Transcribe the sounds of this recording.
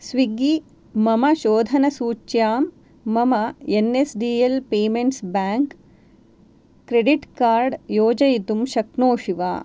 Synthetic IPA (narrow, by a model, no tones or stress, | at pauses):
sʋiɡi | mɐmɐʃoːd̪ʱɐnɐsuːt͡ʃjaːmː | ɐmɐenesɖiːelpeːmeɳʈsbaːŋk | ɾeɖiʈkaːɾɖjoːd͡ʒɐjit̪umʃɐknoːʂiʋa̰ː